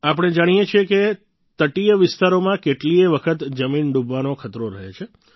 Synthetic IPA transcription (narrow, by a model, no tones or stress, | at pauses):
ap̬əɽ̃ed͡ʒaɽ̃ijet͡ʃʰijeke | t̪əʈijəʋɪst̪aɾomãkeʈlieʋəkʰət̪d͡ʒəminɖubʱʋanokʰət̪ɾoɾəɦḛt͡ʃʰe